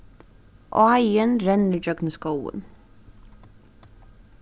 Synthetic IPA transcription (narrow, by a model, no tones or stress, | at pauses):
ʔo̰ɑjənɾɛnəd͡ʒœɡnəskowə̰n